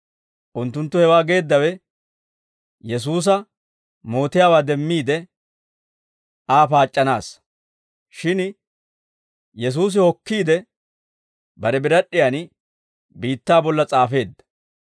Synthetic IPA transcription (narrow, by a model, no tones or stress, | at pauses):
ʔʊnt̪ːʊnt̪ːʊhɛwaːɡe̞ːd̪ːɐwɛ | jɛs̬uːs̬ɐ | moːt̪ɪjaːwaːd̪ɛmːiːd̪ɛ | aːpaːt͡ʃʼːɐna̰ːs | ʃɪn | jɛs̬uːs̬ɪhɔkːiːd̪ɛ | bɐɾɛbɪɾɐɗːɪjan | biːt̪ːaːbɔlːɐt͡sʼaːfe̞ːd̪ːɐ̥